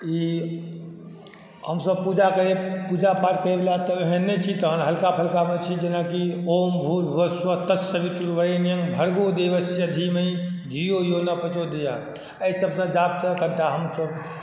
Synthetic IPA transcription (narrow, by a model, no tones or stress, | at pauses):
i | həmsəb̚pud͡ʒakəɾepud͡ʒapaɾkəɾebelat̪ɔeɦenːet͡ʃʰit̪əɦənɦəlkapʰəlkamet͡ʃʰid͡ʒenakiombʱuːlʋəsʋət̪əsəbit̪uɾʋəɾenjə̃ŋɡbʱəɾɡod̪eʋəsjəd̪ʱiməid̪ʱijojonapət͡ʃod̪eja | əjsəbsə̃d͡ʒabsə̃kənʈaɦəmsəb